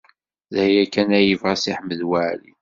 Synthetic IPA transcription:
ðjækːænæjəvʁæsiħməðwaʕlḭ

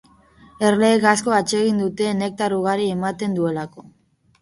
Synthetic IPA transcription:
e̞rle̞ːɣasko̞at͡ʃe̞ɣ̞ind̪ut̪e̞ne̞k̚t̪aɾuɣ̞aɾiemat̪e̞nd̪ue̞lako̞̥

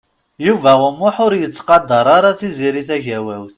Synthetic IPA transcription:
juvæʁəmːʊħʊɾjət͡sːqɑd̪ːɑɾˤɑɾˤɑt͡sːiziɾiθæʝæwæwθ

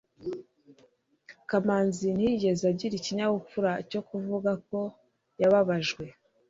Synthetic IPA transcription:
kamaːnzin̥hiɟe̞zaɟiɾiciɲaβup͡fuɾaco̞kuvuɡako̞ | jaβaβaʒɡwe̞

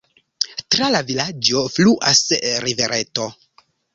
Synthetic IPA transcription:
tɾalavilad͡ʒo̞fluʔasɾive̞ɾʔeto̞

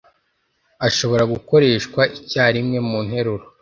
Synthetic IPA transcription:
aʃo̞βo̞ɾaɡuko̞ɾe̞ːʃkwaʔicaːɾimŋe̞muːn̥he̞ɾuɾo

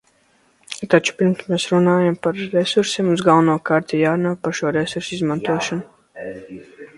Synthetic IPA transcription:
t̪at͡ʃu̥piɾmsmeːsɾunaːjampaɾɾesuɾsimuzɡalˠnuɔkaɾt̪ʲijaːɾunaːpaɾʃuɔɾesuɾsizmant̪uɔʃɔnu

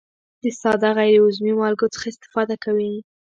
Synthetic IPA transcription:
d̪əsɑd̪aɣajɾeʊzmimɑlɡot͡sə̥xaɪst̪ɪ̥fɑd̪akawi

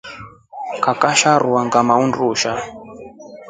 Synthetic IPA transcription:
kakaʃaɾuwaŋɡamaunduːʃa

